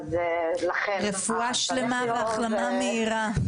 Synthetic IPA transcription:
ʁefuaʃlemaveaχlamameiʁa

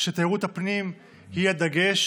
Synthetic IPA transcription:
ʃet̪aiʁut̪hapnim | hiad̪aɡe̞ʃ

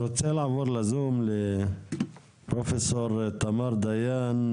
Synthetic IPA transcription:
ɾoselʕavuːɾˤlazuːmlɪ | pɾofesoɾˤt̪amɑːɾˤd̪ajaːn

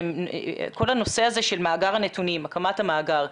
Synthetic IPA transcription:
mko̞lano̞se̞aze̞ʃelmaːɡaʁanetunimakamathamaːɡaʁ

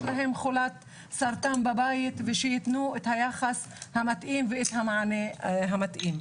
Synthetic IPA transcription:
laɦemχolat̪ | saɾt̪ambabajit̪veʃejit̪nuet̪hajaxas | hamat̪ʔimveet̪hamaʕaneɦamat̪ʔim

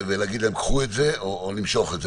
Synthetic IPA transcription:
velaːɡid̪lemkχuetzeoːlimʃo̞χetze

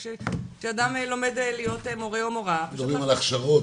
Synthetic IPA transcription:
ʃeʃeadamlo̞me̞d̪elijo̞temo̞ʁeomoʁad̪oimalaχʃavo

